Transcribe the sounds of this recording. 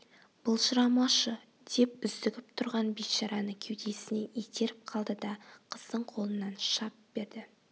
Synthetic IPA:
b̥ʊlˠʒəɾɑmɑʃə | d̪̥e̞p̚ʏzd̪ɪɡʲɪp̚t̪ʰʊɾʁɑnbejt̪ʃɑɾɑnəkʲʰewd̪esɪne̞ʔet̪eɾɪp̚qʰɑlˠd̪əd̪ɑqʰəz̥d̪əɴqʰo̞lˠənːɑnʃɑp̚be̞ɾd̪ɪ

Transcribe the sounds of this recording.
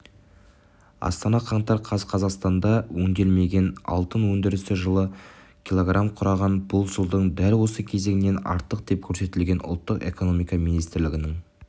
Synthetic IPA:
ɑ̰st̪ɑnɑqʰɑɴt̪ɑɾqʰɑzqʰɑzɑqst̪ɑnd̪ɑwɵŋd̪e̞lme̞ɡʲe̞nɑ̰lˠt̪ənwɵnd̪ɪɾɪsɪʒəlˠə | kʲilˠo̞ɡramqʰʊɾɑʁɑnbʊlˠʒəlˠd̪əɴd̪ælwo̞səkʲʰe̞ze̞ɡɪnːe̞nɑ̰ɾt̪əq̚d̪̥e̞p̚kʲʰɵɾse̞t̪ɪlɡʲe̞nʔʊ̰lˠt̪ːəqe̞̰ko̞no̞mijkɑmijnijst̪ɪɾlɪɡʲɪnɪŋ

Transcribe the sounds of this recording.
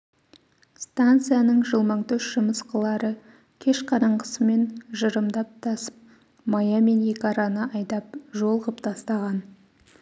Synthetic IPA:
st̪ant̪sɨjanəɴʒəlˠməɴt̪ʰɵsʒʊməsqəlˠɑɾə | kʲʰe̞ʃqʰɑɾɑɴqə̥səme̞nʒəɾəmd̪ɑp̚t̪ʰɑsə̥p̚ | mɑjɑme̞nje̞kʲɑɾɑnəɑjd̪ɑp̚ʒo̞lˠʁəpt̪ʰɑst̪ɑʁɑn

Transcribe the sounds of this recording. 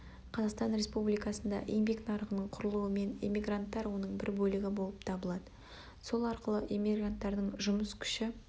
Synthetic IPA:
qʰɑzɑqst̪ɑnɾe̞spublijkɑsənd̪ɑ̰ʔejmbeknɑɾəʁənəɴqʰʊɾəlˠuwəme̞nemʲiɡrant̪ːɑɾwo̞nəɴbɪɾbɵlɪɡʲɪbo̞lˠəpt̪ʰɑbəlˠɑd̪ə | so̞lˠɑɾqəlˠəʔemʲiɡrant̪ːɑɾd̪əɴʒʊməskʲʰʏ̥ʃɪ

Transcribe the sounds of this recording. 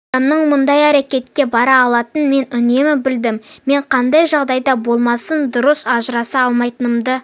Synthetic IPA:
ɑmnəɴmənd̪ɑjæɾekʲe̞t̪kʲe̞bɑɾɑːlˠɑt̪ənme̞nʏne̞mɪbɪld̪ɪmme̞ɴqʰɑnd̪ɑjʒɑʁd̪ɑjd̪ɑbo̞lˠmɑsənd̪ʊɾəsɑʒəɾɑsɑɑlˠmɑjt̪ənəmd̪ə

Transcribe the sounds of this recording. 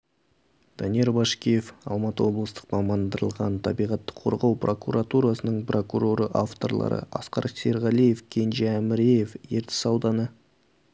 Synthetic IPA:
d̪̥ɑnijeɾbɑʃkʲije̞fɑlˠmɑt̪əwo̞blˠəst̪ə̥qmɑmɑnd̪əɾə̰lˠʁɑ̰nt̪ʰɑbijʁɑt̪ːə̥qʰo̞̰ɾʁɑwprʔo̞kuɾʔat̪uɾɑsənəɴpro̞kuɾo̞ɾəʔaft̪o̞rlˠɑ̰ɾə̰ɑ̰sqɑ̰ɾseɾʁɑlˠije̞fkʲʰe̞nʒeæmɪɾejefjeɾt̪ɪ̥sɑwd̪ɑnə

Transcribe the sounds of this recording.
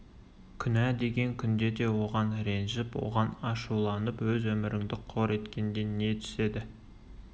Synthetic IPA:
kʲʰʏnæd̪e̞ɡʲe̞ŋkʲʰʏnd̪e̞d̪e̞wo̞ʁɑnɾe̞nʒɪpwo̞̰ʁɑnɑʃulˠɑnəpwɵzwɵmɪɾɪŋd̪ɪqʰo̞ɾe̞t̪kʲe̞nd̪e̞nne̞t̪ʰʏ̥se̞d̪ɪ

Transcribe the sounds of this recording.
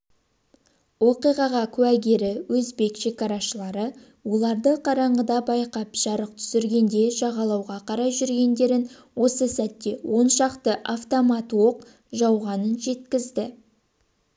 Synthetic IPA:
wo̞qijʁɑʁɑkʲʰʉwæɡʲe̞ɾɪwɵzbe̞kʃe̞kɑɾɑʃəlˠɑɾə | wo̞lˠɑɾd̪əqʰɑɾɑɴʁəd̪ɑbɑjqɑpʒ̥ɑɾəqt̪ʰʏ̥sɪɾɡʲe̞nd̪e̞ʒɑʁɑlˠɑwʁɑqʰɑɾɑjʒʏɾɡʲe̞nd̪e̞ɾɪn | wo̞səsæt̪ːe̞wʔo̞nʃɑqt̪əʔaft̪omat̪woq | ʒɑwʁɑnənʒe̞t̪kʲɪzd̪ɪ

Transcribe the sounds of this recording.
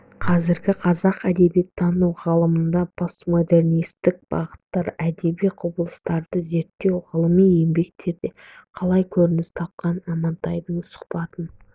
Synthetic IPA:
qʰɑzɪɾɡʲɪqʰɑzɑqæd̪e̞bijet̪ʰːɑnuwʁəlˠəmənd̪ɑpʰo̞smod̪e̞rnijst̪ɪk̚b̥ɑ̰ʁət̪ːɑɾæd̪e̞bijqʰʊbəlˠəst̪ɑɾd̪əze̞ɾt̪ːe̞wʁəlˠəmije̞mbe̞k̚t̪ʰe̞d̪ɪ | qʰɑlˠɑjkʲʰɵɾɪnɪst̪ʰɑp̚qɑnɑmɑnt̪ɑjd̪əɴsʊ̥χpɑt̪ən

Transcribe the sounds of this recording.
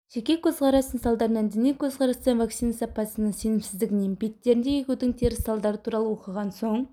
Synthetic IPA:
ʒ̥ekʲe̞kʲʰɵzqʰɑɾɑst̪ənsɑlˠd̪ɑɾənɑnd̪enijkʲʰɵzqʰɑɾɑst̪ɑnvɑktsijnɑsɑpɑsənəse̞nɪmsɪzd̪ɪɡʲɪnenbe̞t̪ːe̞ɾɪnd̪ejekʲed̪ɪŋt̪ʰeɾɪsɑlˠd̪ɑɾət̪ʰuɾɑlˠəwo̞qəʁɑnsoɴ

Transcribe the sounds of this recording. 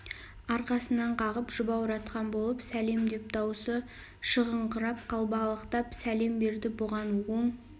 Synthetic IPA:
ɑɾqɑsənɑɴqʰɑʁəpʒ̥ʊbɑwɾɑt̪qɑnbolˠəpsæle̞md̪e̞p̚t̪ɑwsə | ʃəʁəɴqʰəɾɑp̚qʰɑlˠbɑlˠəqt̪ɑpsæle̞mbe̞ɾd̪ɪboʁɑnwo̞ɴ

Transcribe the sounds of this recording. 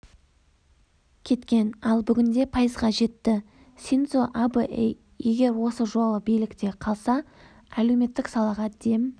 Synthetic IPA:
kʲʰe̞t̪kʲe̞nɑlˠbʏɡʲɪnd̪e̞pʰɑjəzʁɑʒe̞t̪ːɪ | sʲint̪soʔabəʔḛj | je̞ɡʲe̞ɾwo̞səʒo̞lˠəbijlɪkt̪e̞qʰɑlˠsɑ | æle̞wme̞t̪ːɪksɑlˠɑʁɑd̪e̞m

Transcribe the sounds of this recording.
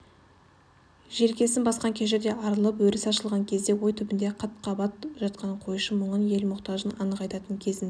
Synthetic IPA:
ʒe̞ɾkʲe̞sɪnbɑsqɑŋkʲʰeʃ̬ɪɾd̪e̞ʔɑɾəlˠəp̬wɵɾɪsɑʃəlˠʁɑŋkʲʰe̞zd̪e̞wo̞jt̪ʰʏbɪnd̪e̞qʰɑt̪̚qʰɑbɑt̪ʒ̥ɑt̪̚qɑnqʰo̞juʃəmʊɴənje̞lmʊqt̪ɑʒənɑnəqɑjt̪ɑt̪əŋkʲʰe̞zɪn

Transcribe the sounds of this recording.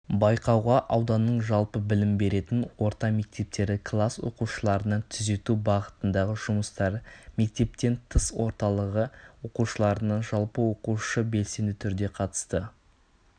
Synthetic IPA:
bɑjqɑwʁɑʔɑwd̪ɑnːəɴʒɑlˠpəbɪlɪmbe̞ɾe̞t̪ɪnwo̞ɾt̪ɑme̞k̚t̪e̞p̚t̪e̞ɾɪkʰlˠaswo̞̰quʃəlˠɑɾənɑt̪ʰʏze̞t̪ubɑʁət̪ənd̪ɑʁəʒ̥ʊməst̪ɑɾme̞k̚t̪e̞p̚t̪e̞nt̪ʰəswo̞ɾt̪ɑlˠəʁəwo̞quʃəlˠɑɾənɑʒɑlˠpəwo̞quʃəbe̞lse̞nd̪ɪt̪ʰʏɾd̪e̞qʰɑt̪ə̥st̪ə

